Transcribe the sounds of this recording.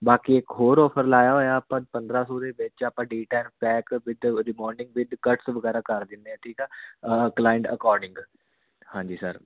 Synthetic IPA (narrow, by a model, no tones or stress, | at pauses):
baːkiɪkɦoːɾɔːpʰəɾlaːjaːɦoːjapãːpənd̪ɾaːsɔːd̪eːʋɪt͡ʃapãːɖiːʈɛːlpɛːkʋɪd̪ɾɪmɔːɾɖɪ̃ŋɡʋɪd̪kəʈsʋəɡɛːɾaːkəɾd̪ɪnd̪eɛ̃ːʈ̪ʰiːkɛːklaːɪɳʈə̰kɔːɾɖɪ̃ŋɡ | hãːɲd͡ʒiːsəɾ